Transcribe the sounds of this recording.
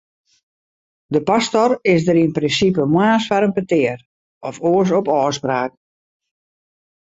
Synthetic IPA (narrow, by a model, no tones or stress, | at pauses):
dəpastɔrɪs̬dəɾinprɪnsipəmwaːsfaɾənpətɪər | ɔfoəs̬ɔpɔːspraːk̚